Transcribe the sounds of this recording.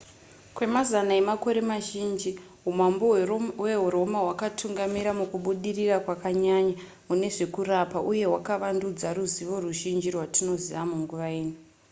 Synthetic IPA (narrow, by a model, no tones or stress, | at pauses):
kwe̞mazanae̞mako̞ɾe̞maʒind͡ʒi | ɦumambowe̞ɦuɾo̞maɦwakatʰuŋɡamiɾamukuɓuɗirirakwakaɲaɲa | mune̞ʐe̞kuɾapaʔuje̞ɦwakaʋandud͡zaɾuziʋo̞ruʒind͡ʒirwatino̞ziʋamuŋɡuʋaeːnu